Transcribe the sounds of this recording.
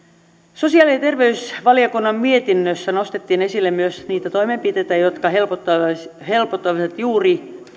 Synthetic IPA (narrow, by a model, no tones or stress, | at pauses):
sosiɑːˑliet̪erʋeysʋɑlijokunːɑmmiet̪inːøsːænost̪et̪ːiːne̞silːemmyøsniːt̪æt̪oimempit̪et̪æjot̪kɑhelpot̪ːɑhelpot̪ːɑʋsɑt̪juːri